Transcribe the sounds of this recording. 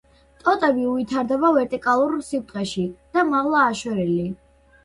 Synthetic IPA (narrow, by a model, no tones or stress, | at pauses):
t̪ʼɔt̪ʼɛbiuit̪ʰaɾd̪ɛbavɛɾt̪ʼikʼalˠuɾsit̪ʼqʼɛʃid̪̥amaʁlˠaːʃwɛɾɛli